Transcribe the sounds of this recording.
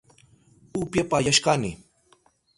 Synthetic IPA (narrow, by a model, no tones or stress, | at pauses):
upjapajaʃkanɪ